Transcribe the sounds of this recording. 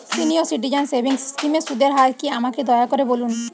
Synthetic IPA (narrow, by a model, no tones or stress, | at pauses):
siniosiʈ̬id͡ʑansebʱiŋskimesud̪eɾɦaɾkiamaked̪ɔjakɔɾebolun